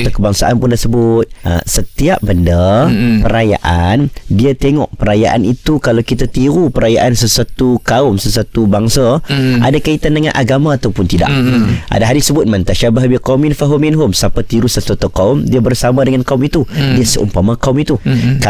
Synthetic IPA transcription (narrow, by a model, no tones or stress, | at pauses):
t̪akəbaŋsaʔanpʊnt̪ərsəbʊt̪̚ə̰sət̪iap̚bəndapəɾaja̰ʔandiat̪eŋɔ̰ʔpəɾajaʔa̰nit̪ukalawkit̪at̪iɾupəɾajaʔansəswat̪ukaʊmsəs̬wat̪ubaŋsaa̰dakait̪andəŋãnʔa̰ɡamãːt̪awpʊnt̪ida̰ʔa̰daɦaɾisəbʊt̪̚mãnt̪aʃabaɦabiqaumɪnfaɦuminɦʊmsapat̪iɾusəswat̪ukaʊmdiabərsamãdəŋankaʊmit̪udiasəʔṵmpamãkaʊmit̪uka